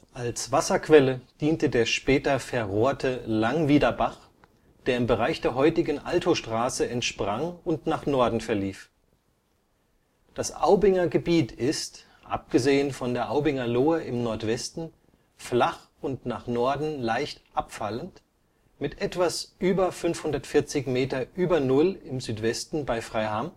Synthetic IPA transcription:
ʔalsv̥asɐkv̥ɛləd̥iːntədeːɐʃpɛːtɐfɛɐʁoːɐtʰəlaŋviːdɐbaχ | d̥eːɐɪmbəʁaɪçd̥eːɐɦɔʏtɪɡŋ̩ʔaltʰoʃtʁ̥aːsəɛntʃpʁ̥aŋʊntnaːχnɔɐdn̩fɛɐliːf | d̥asʔa̰ʊbɪŋɐɡəbiːtʰɪst | ʔa̰p̚ɡ̥əzeːənfɔndeːɐʔaʊbɪŋɐloːəʔɪmnɔɐtv̥ɛstn̩ | flaχ | ʊntnaːχnɔɐdn̩laɪçtʔapfalənt | mɪtʔɛtv̥asʔyːbɐfʏnfhʊndɐtfɪɐt͡sɪçmeːtɐʔyːbɐnʊlɪmzyːtv̥ɛstn̩baɪfʁ̥aɪham

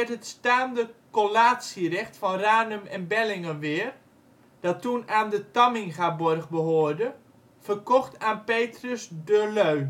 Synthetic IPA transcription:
ɛtɦətstaːndəkolaːtsirɛxtfɔnraːnəmɛnbɛlɪŋəʋɪər | d̥ɔtːunaːndətamɪŋɣabɔrɣbəɦoːərdə | fərkɔxtʰaːnpeːtrəsdəløɥ

